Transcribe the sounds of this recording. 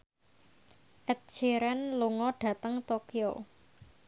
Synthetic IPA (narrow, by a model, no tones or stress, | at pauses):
ʔɛt̪̚d͡ʒ̥eɾɛnluŋɔɖ̥ä̤t̪əŋt̪okio̰